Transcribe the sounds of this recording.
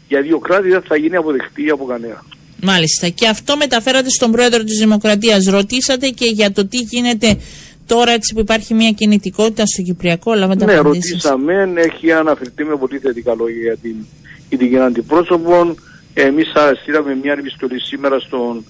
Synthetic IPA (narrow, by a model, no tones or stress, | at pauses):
jɐðjo̞kɾat̪iðɐθɐʝiniɐpo̞ðext̪iɐpokɐneɐ | mɐlist̪ɐce̞ɐft̪o̞me̞t̪ɐfe̞ɾɐt̪e̞st̪o̞mbɾo̞e̞ðɾo̞t̪̬izðimo̞kɾɐt̪iɐs̬ɾo̞t̪isɐt̪e̞ce̞ʝɐt̪o̞t̪iʝine̞t̪e̞ | t̪o̞ɾɐe̞t͡si̥puipɐɾçimɲɐcinit̪iko̞t̪it̪ɐst̪o̞cipɾiɐko̞lɐvɐd̪ɐneɾoisisɐme̞ne̞çiɐnɐfeɾt̪imepo̞liθet̪ikɐlo̞ʝɐʝɐt̪i | it̪iʝinɐnd̪ipɾo̞so̞po̞n | emisɐɾɐst̪iɾɐmemɲɐnepist̪o̞lisimeɾɐst̪o̞n